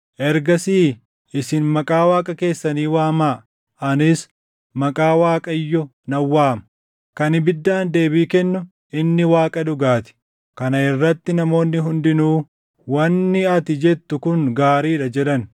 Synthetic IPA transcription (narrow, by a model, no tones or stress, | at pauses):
ʔɛɾɡɐsiː | ɪsɪnmɐkʼaːwaːkʼɐke̞ːsːɐniːwaːmaː | ɐnɪs | mɐkʼaːwaːkʼɐjːɔ | nɐwːaːmɐ | kɐnɪbɪd̪ːaːnd̪e̞ːbiːkɛnːʊ | ʔɪnːɪwaːkʼɐd̪ʊɡaːt̪ɪ̥ | kɐnɐɪrːɐt̪ːɪnɐmo̞ːnːɪɦʊnd̪ɪnuː | wɐnːɪɐt̪ɪd͡ʒɛt̪ːʊkʊŋɡaːɾiːᶑɐd͡ʒɛᶑɐn